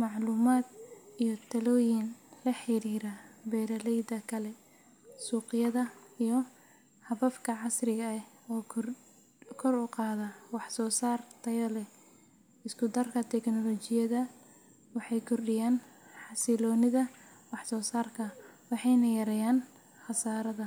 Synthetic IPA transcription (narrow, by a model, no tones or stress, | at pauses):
mɑʕluːmaːd̪̚ijɔt̪ʰɐlɔːjɪnlɐħɪɾiːɾɐbɛɾɐlɛjd̪ɐkʰɐlɛ | suːqɪjɐðɐijɔ | hɐβɐfkʰɐʕɑsrɪɣɐ | ɔːkʰr | kʰɔrʊqɑːðɐwɑħsɔːsaːrt̪ʰɐjɐlɛ | ɪskʰʊd̪ɐrkʰɐt̪ʰɛknɔlɔt͡ʃɪjɐðɐ | wɑħɑjkʰʊrɖɪjaːn | ħɑsɪlɔːnɪðɐ | wɑħsɔːsaːrkʰɐwɑħɑjnɐjɐɾɛjaːn | xɑsaːɾɐðɐ